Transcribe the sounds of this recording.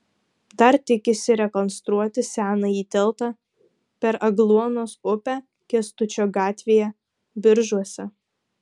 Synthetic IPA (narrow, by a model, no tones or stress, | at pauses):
d̪ɐɾt̪ʲɪkʲɪsʲɪɾʲɛkɔnst̪ɾuɔt̪ʲɪsʲæːnɐiːt̪ʲɛlˠt̪ɑ | pʲɛɾɐɡlˠuɔnoːsʊpʲæː | kʲɛst̪ʊt͡ʃʲoːɡɑːt̪ʲʋʲeːjɛ | bʲɪɾʒuɔsʲɛ